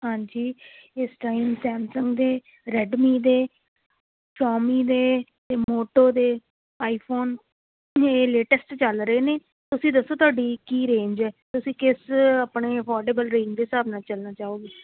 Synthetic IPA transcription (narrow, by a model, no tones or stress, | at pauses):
ɦãːɲd͡ʒiːɪsʈaːimsɛːmsəŋɡd̪eː | ɾɛɖmiːd̪eː | t͡ʃɔːmiːd̪eː | t̪eːmmoːʈoːd̪eː | aːipʰoːn | eːleːʈəsʈt͡ʃəlɾəeːneː | t̪ʊsĩːd̪əsːoːt̪ʊwaːɖiːkiːɾẽːɲd͡ʒɛːt̪ʊsĩːkɪsapɳeːəpʰɔːɾɖeːbəlɾẽːɲd͡ʒd̪eːsaːbnaːt͡ʃəlnaːt͡ʃaːoːɡeː